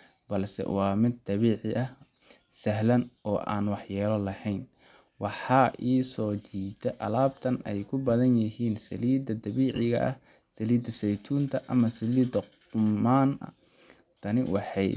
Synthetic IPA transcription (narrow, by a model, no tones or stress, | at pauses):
bɐlsɛ̰wɑːmɪd̪̚ɐβiːʕɪʔɐh | sɐɦlɐnɔːʔa̰ːnwɑħjaːlɔlɐhɛjn | wɑħɑːʔiːsɔːt͡ʃiːt̪ʰɛʔɐlaːb̚t̪ʰɐnɛjkʰʊbɐðɐnjɐɦiːnsɐ̰liːd̪ɐd̪ɐβiːʕɪɣɐ̰ʔɐ̰h | sɐliːd̪ɐsɛjt̪ʰuːnt̪ʰɐʔɐmɐsɐliːd̪ɐ | ʊmaːnɐ̰ | t̪ʰɐnɪwɑ̰ħɑj